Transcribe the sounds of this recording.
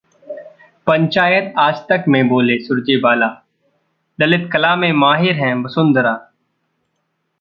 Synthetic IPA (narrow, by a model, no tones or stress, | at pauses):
pə̃ɲt͡ʃaːjət̪aːd͡ʒt̪əkmẽboːlesʊɾd͡ʒebaːlaː | d̪ɐlɪt̪kɐlaːmẽmaːɦɪɾɦɛ̃ːbɐsʊ̃nd̪ɾaː